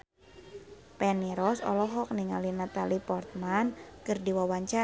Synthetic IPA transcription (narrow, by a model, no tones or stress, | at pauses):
pɛniɾɔsɔ̰lɔɦɔk̚niŋalinat̪alipɔrt̪̚mankɨrdiwawaɲt͡ʃa